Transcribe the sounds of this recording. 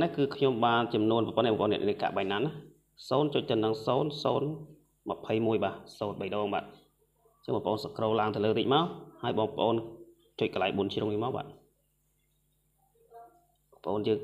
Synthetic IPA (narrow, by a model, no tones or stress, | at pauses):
nɛkɨːkʰɲomɓaːnt͡ɕɑmnuənppoːnɛːɓɑːŋpʔoːnɛəʔiəka̰ʔɓajɲnanah | soːnt͡ɕoc̚t̪ɨnɨŋsoːnsoːn | mə̆pʰəjmuəjɓaːʔsoːnɓəjɗɔːŋɓa̰ːt̪̚ | t͡ɕəŋɓɑːpəʔoːnsakroːlaəŋt̪ɨələːɾiːc̚maɔlhaəjɓɑːŋpə̆ʔoːn | t͡ɕoc̚kəlajɓuənt͡ɕʰruŋniːəmaːk̚ɓa̰ːt̪̚ | ɓɑːŋpəʔoːnjəːŋ